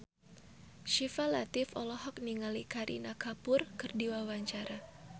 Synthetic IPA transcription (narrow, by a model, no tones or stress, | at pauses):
ʃifalat̪ɪfɔlɔɦɔk̚niŋalikaɾʔḭnakapʊrkɨrdiwawaɲt͡ʃaɾa